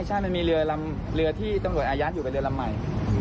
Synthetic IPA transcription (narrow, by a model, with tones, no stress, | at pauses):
jt͡ɕʰaː˥˩ma˧miː˧ɾɯ˧ɐla˧m | ɾɯ˧ɐt̪ʰiː˥˩t̪ɔ˥˩ŋɾu˨˩t̪̚ʔaː˧jaː˦˥t̪̚juː˨˩˨ɾɯ˧ɐla˧mːa˨˩j